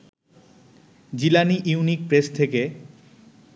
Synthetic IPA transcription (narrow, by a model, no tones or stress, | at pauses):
d͡ʑilaniʔiunik̚pɾest̪ʰeke